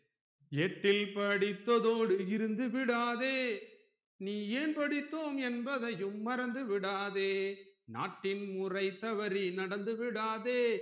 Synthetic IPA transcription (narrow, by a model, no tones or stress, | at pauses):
ɛʈːɪlpɐɽɪt̪ːɐðoːɽɯɪɾɯnd̪ɯʋɪɽaːðeː | niːeːnpɐɽɪt̪ːoːmɛnbɐðɐjɯmːɐɾɐnd̪ɯʋɪɽaːðeːna̰ːʈːɪnmʊrɐɪt̪ːɐʋɐɾinɐɽɐnd̪ɯʋɪɽaːðeː